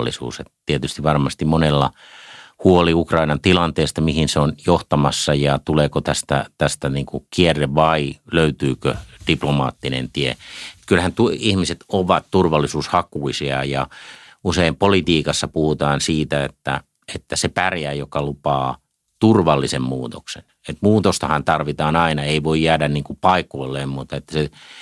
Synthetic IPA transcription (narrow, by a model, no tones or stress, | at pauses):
lːḭsṵːsḛt̪t̪iet̪yst̪iʋʋɑrmɑst̪immonelːɑ̰ | huoliukrɑinɑnt̪ilɑnt̪eːst̪ɑmihinseonjoht̪ɑmɑsːɑjɑt̪uleːkot̪æst̪æ̰t̪æst̪æniːŋkukierːeʋɑiløyt̪yːkø̰d̥iplomɑ̰ːt̪ːinḛnt̪iḛet̪kylhænt̪uihmiset̪oʋɑt̪t̪urʋɑlːisuːshɑkuisiɑ̰jɑuseimpolit̪iːkɑsːɑpuhut̪ɑːnsiːt̪æet̪ːæ̰ | et̪ːæsepærjæːjokɑlupɑː | t̪urʋɑlːisemmuːt̪o̰ksḛn | et̪muːt̪ost̪ɑhɑnt̪ɑrʋit̪ɑːnɑinɑeiʋoijjæːdænniːŋkupɑikoilːeːmmut̪ɑet̪ːæ̥se